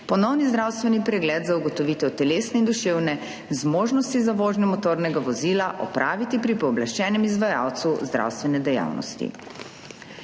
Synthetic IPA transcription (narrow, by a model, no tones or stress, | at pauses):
pɔnɔwnizd̪ɾawst̪ʋɛnipɾɛɡlɛd̪zauɡɔt̪ɔʋit̪ɛwt̪ɛleːsnɛind̪uʃewnɛ | zmoːʒnɔst̪izaʋoːʒnɛmɔt̪oːɾnɛɡaʋɔzilaʔɔ̰pɾʔaːʋit̪ipɾipɔːblaʃt͡ʃɛːnɛmizʋaja̰wt̪suzd̪ɾa̰wst̪ʋɛnɛd̪ɛja̰wnɔ̰st̪ḭ